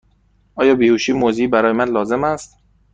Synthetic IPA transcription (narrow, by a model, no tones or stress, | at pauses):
ʔɒːjɒːbiːhuːʃiːmoziːbæɾɒːjemænlɒːze̞mæst̪